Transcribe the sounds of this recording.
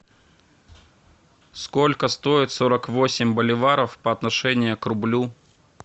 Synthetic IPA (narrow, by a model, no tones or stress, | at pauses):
skolʲkəst̪oɪt̪so̞ɾəkvosʲɪmʲbəlʲɪvaɾəfpəɐt̪nɐʂɛnʲɪjəkrʊblʲu